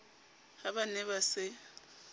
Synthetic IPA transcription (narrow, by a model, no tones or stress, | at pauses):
habanɛβasɪ